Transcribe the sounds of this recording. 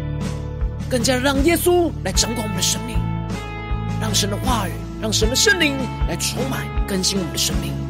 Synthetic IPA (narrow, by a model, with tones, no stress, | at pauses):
kə˥˩nt͡ɕja˥ɻɑ˥˩ŋjɛ˥su˥la˧˥ɪʈ͡ʂɑ˧˥ŋkwa˨˩wɔ˨˧˦nd̪ə˧ʂɤ˥ŋmi˥˩ŋ | ɻɑ˥˩ŋʂə˧˥nd̪ə˧xwa˥˩ə˨˩nɻɑ˥˩ŋʂə˧˥nd̪ə˧ʂə˥˧nli˧˥ŋla˧˥ɪʈ͡ʂʰʊ˧˥ŋma˨˩nkə˥nɕi˥nwɔ˨mə˦nə˧ʂə˥ŋmi˥˩ŋ